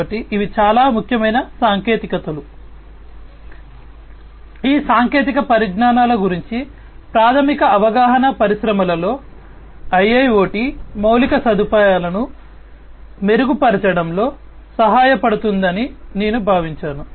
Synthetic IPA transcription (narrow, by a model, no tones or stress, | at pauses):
ɐʈːiʔiʋit͡ʃaːlaːmukʰjɐmɐjnɐsaːŋke̞ːt̪ikɐt̪ɐlu | iːsaːŋke̞ːt̪̬ikɐpɐɾiɡɳaːnaːlɐɡuɾiɲt͡ʃi | pɾaːt̪ʰɐmikɐɐʋɐɡaːɦɐnɐpɐɾiʃɾɐmɐlɐlo̞ː | ɐjːɐjo̞ːʈimɐwlikɐsɐd̪upaːjaːlɐnu | me̞ɾuɡupɐɾɐt͡ʃɐɽɐmlo̞ː | sɐɦaːjɐpɐɽut̪und̪ɐnine̞ːnubʱaːʋiɲt͡ʃaːnu